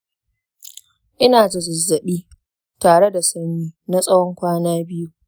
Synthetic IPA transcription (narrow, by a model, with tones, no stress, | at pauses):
ʔɪ˦naː˨zʊ˨zʊ˨zːɐ˨ɓiː˦ | taː˨ɽe˦da˨sɐ˦miː˦na˦sʼɐ˦wɔ˦ŋkʷaː˦naː˦bɪ˦ju˦